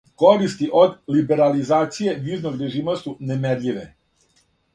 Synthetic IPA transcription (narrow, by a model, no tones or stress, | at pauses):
ko̞ɾist̪iʔo̞d̪libe̞ɾalizaːt̪sije̞ʋiznoɡɾeʒiːmost̪unemedʎʲiʋe